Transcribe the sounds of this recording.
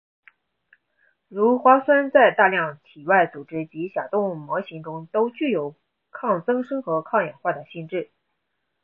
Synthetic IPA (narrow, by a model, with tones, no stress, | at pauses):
ɻu˧˥xwa˥swa˥nt͡sa˥˧ɪt̪a˥˧ljɑ˥˩ŋt̪ʰi˨˩wa˥˩ɪt͡su˨˩ʈ͡ʂɻ̩˥t͡ɕi˧˥ɕja˨˩t̪ʊ˥˩ŋmwɔ˧˥ɕi˧˥ŋʈ͡ʂʊ˥ŋt̪o˥ʊt͡ɕy˥˩jo˨˩ʊ | kʰɑ˥˩ŋt͡sɤ˥ŋʂɤ˥ŋxɤ˧˥kʰɑ˥˩ŋjɛ˨˩nxwa˥˩d̪ə˩ɕi˥˧nʈ͡ʂɻ̩˥˩